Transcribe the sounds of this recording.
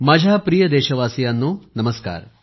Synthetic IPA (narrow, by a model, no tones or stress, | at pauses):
mɐd͡ʒʱaːpɾiːjɐd̪ɛːʃɐʋaːsijanːunɐmɐska̰ːɾ